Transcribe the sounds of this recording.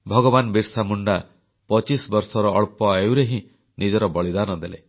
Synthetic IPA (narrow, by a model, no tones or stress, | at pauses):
bʱɔɡɔbanbiɾsamuɳɖa | pɔt͡ʃisbɔɾsɔɾɔːɭpɔewɾeɦĩ | nid͡ʒɔɾɔbɔɭid̪anɔd̪ele